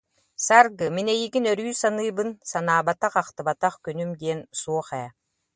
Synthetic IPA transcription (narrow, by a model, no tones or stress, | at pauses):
saɾɡɯminɛjiɡinœɾyːsanɯːbɯnsanaːbat̪aχaqt̪ɯbat̪aχkynymd̪iɛnsuɔχɛː